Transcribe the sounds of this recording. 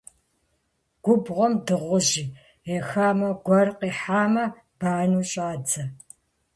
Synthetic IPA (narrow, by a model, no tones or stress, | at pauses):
ɡ̥ʷʊbʁʷɔmdɨʁʷʊʑiː | exaːmɐɡʷɐrqiːħaːmɐ | b̥aːnuːɕʼaːd͡zɐ